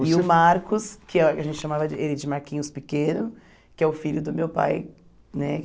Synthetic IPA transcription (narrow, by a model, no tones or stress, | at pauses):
ɪʊmaɾkʊskʰɪɛkɐʒẽnt͡ʃɪʃamavɐd͡ʒelɪd͡ʒɪmaɾkĩɲʊspɪkẽnʊ | kɪɛʊfiʎʊd̪ʊmewpa̰j | nɛ